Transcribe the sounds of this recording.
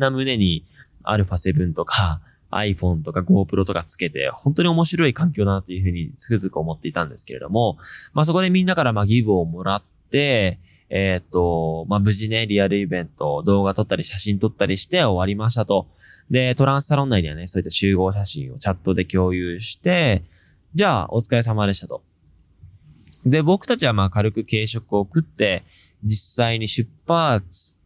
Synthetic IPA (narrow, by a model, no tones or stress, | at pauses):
amɯ̟ne̞ɲ̟i | a̰ɾɯ̟pase̞bɯ̟̃nt̪o̞kʰa | a̰iɸõ̞nt̪o̞kaɡo̞ːpɯ̟ɾo̞t̪o̞kat͡sɨ̥ke̞t̪e̞̰hõnt̪o̞ɲ̟io̞mo̞ɕiɾo̞ikãŋkʲjoːd̪anat̪ojɯ̟ɸɯ̟ːɲ̟it͡sɨ̥kɯ̟zɨkɯ̟o̞mo̞t̪ːe̞it̪ãnd̪e̞sɨ̥ke̞ɾe̞̰d̪o̞̰mo̞maːs̬o̞ko̞d̪e̞mʲĩnːakaɾamaɡʲiɡɯ̟omo̞ɾat̪ːe̞ː | t̪ːo̞mabɯ̟ʑineɾʲiaɾɯ̟ibẽ̞nt̪o̞d̪o̞ːɡat̪o̞t̪ːaɾʲiɕaɕĩnt̪o̞t̪ːaɾʲiɕi̥t̪e̞o̞βaɾʲimaɕi̥t̪at̪o̞ | d̪e̞t̪o̞ɾãɰ̃sɨ̥saɾõ̞nːaiɲiβa̰ne̞soːit̪ːaɕɨːɡo̞ːɕaɕḭ̃o̞̰t͡ɕat̪ːo̞d̪e̞kʲo̞ːjɯːɕi̥t̪e̞ | d͡ʑaːo̞̰t͡sɨ̥kaes̬amad̪e̞ɕit̪at̪o̞̥ | d̪e̞bo̞kɯ̟̥t̪at͡ɕiβamaːkaɾɯkɯ̟ke̞ːɕo̞kɯ̟o̞kɯ̟t̪ːe̞ | d͡ʑisaiɲ̟iɕɨpːaːt͡sɨ̥